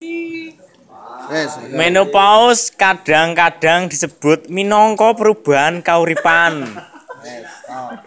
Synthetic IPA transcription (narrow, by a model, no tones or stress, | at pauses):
menopaʊskaɖ̥a̤ŋkaɖ̥a̤ŋd̪̥i̤səb̥ʊ̤t̪̚minɔŋkɔpəɾub̥a̤nkauɾipan